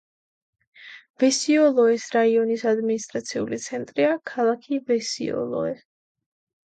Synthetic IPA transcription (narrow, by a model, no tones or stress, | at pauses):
vɛsiɔlˠɔɛsɾaiɔnisad̪minist̪ʼɾat̪sʰiṵlit̪sʰɛnt̪ʼɾiakʰalˠakʰivɛsḭɔ̰lˠɔ̰ɛ